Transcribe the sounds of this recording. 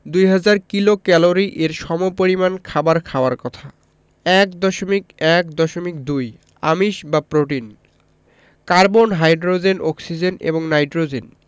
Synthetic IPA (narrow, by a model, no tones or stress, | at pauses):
d̪ujɦad͡ʑaɾkilokɛloɾiʔeɾʃɔmopoɾimankʰabaɾkʰaoaɾkɔt̪ʰa | ɛkd̪ɔʃomikɛkd̪ɔʃomik̚d̪uj | a̰miʃbapɾoʈin | kaɾbonɦajɖɾod͡ʑenʔɔksid͡ʑenḛboŋnajɖɾod͡ʑen